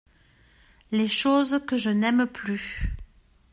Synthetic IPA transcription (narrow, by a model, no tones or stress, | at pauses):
leʃozkəʒənɛmply